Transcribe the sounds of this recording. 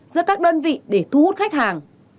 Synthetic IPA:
zɨ̰˧˥əkaː˦˥k̚ɗəː˧nvḭ˧˨ɗe˧˩t̪ʰu˧hu˦˥t̚xa˦˥jk̟̚haː˨˩ŋ

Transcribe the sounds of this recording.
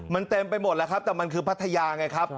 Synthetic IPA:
ma˧nt̪e˧mpa˧jmo˨˩t̪̚lɛ˦˥kʰa˦˥p̚t̪ɛː˨˩ma˧nkʰɯː˧pʰa˦˥t̪ʰːa˧jaː˧ŋa˧˩jkʰa˦˥p̚

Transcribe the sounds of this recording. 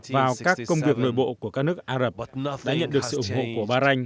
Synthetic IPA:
vaː˨˩wkaː˦˥kkːə˧wŋ͡mvi˨˩ək̚no̰˧˨jɓo̰˧˨ku˧˩əkaː˦˥k̚nɨ˦˥ək̚ʔaː˧zə˨˩p̚ːɗa̰ː˧˥ɲə̰˧˨nɗɨ˨˩ək̚sɨ̰˧˨ʔʊ˧˩ŋ͡mho̰˧˨ku˧˩əɓaː˧za˧jŋ̟

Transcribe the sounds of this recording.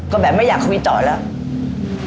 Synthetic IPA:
kɔː˨˦ɓɛ̰˧˨˩məː˨˦jzaː˨˩kxʰə˧wŋ͡mɓḭ˧˨˩t̪ɔ̰˧˨˩la˧˦

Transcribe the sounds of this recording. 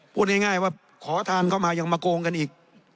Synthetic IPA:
pʰuː˥˩t̪̚ŋa˥˩jŋaː˥˩jwaː˥˩ | kʰɔː˩˦t̪ʰaː˧nkʰa˥˩wmaː˧ja˧ŋmaː˧koː˧ŋka˧nʔiː˨˩k̚

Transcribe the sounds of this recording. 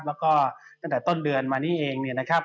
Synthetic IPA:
p̚lɛː˦˥wkɔː˥˩t̪a˥˩ŋt̪ɛː˨˩t̪o˥˩ndɯ˧ənmaː˧niː˥˩ʔeː˧ŋni˧˩na˦˥kʰa˦˥p̚

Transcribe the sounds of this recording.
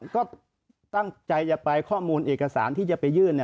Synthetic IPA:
kɔː˥˩ | t̪a˥˩ŋt͡ɕa˧jt͡ɕa˨˩pa˧jkʰɔː˥˩muː˧nʔeː˨˩ka˧sa̰ː˩˦nt̪ʰiː˥˩t͡ɕa˨˩pa˧jːɯː˥˩n˧˩

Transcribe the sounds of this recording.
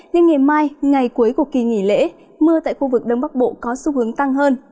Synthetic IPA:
ɲɨ˧ŋːa˨˩jmaː˧jŋa˨˩jku˨˦əjku˧˩əki˨˩ŋḭ˧˩lḛ˧˥ | mɨ˧ət̪a̰ː˧˨jxu˧vɨ˨˩k̚ɗə˧wŋ͡mɓa˦˥k̚ɓo̰˧˨kɔ˨˦su˧hɨ˨˦əŋt̪a˧ŋɦəː˧n

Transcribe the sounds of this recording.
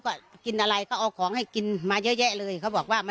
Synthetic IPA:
kɔː˧˩ki˧nʔa˧ɾa˧jkʰa˥˩wʔaː˧˩kʰːɔː˩˦ŋha˥˩jki˧nmaː˧jɤ˦˥ʔjɛː˦˥˩lɤː˧jkʰa˦˥˩wbɔː˨˩k̚waː˥˩ma˧

